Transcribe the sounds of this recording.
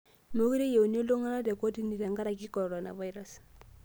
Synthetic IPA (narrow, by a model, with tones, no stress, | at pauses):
mo˦ki˦ɾe˦je˨u˨n˦o˦lo˦ŋa˦na˦dɛ˨ko˦ti˦ni˨ɾa˨ŋɡa˦ɾa˨ki˦kɔ˨ɾɔ˨na̰˨va˦i˦ɾa˦s